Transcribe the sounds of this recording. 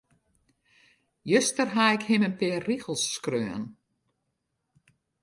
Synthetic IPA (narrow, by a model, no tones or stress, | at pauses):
jøstərɦaɪkhɪmənpɪːriɣəlˠsːkrøːən